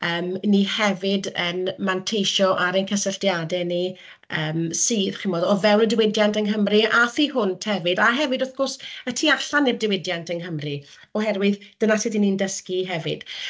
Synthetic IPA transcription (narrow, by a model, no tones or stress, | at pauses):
əːmnihɛvɪdənmantʰejʃɔʔaɾənkʰəsəɬtjadɛni | əːmsiːðχɪmɔːdɔvɛwnədɪwɪdjantənɦəmriʔaθiːɦʊntʰɛvɨdaɦɛvɨdʊθɡ̥ɔrsətʰiːaɬanːɪrdɪwɪdjantʰənɦəmrɨ | ɔɦɛrwɨðd̥ənatʰidinindəskiɦɛvɨd̥